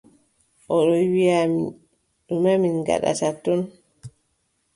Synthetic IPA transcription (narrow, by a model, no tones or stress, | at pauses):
ʔɔɗɔwijami | ɗumaminɡa̰ɗa̰tatːɔn